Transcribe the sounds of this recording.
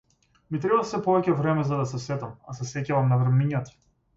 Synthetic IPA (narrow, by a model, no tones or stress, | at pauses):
mit̪ɾɛbasɛpɔvɛcɛvɾɛmɛzad̪asɛsɛt̪amasɛsɛcavamnavɾɛmiɲat̪ḁ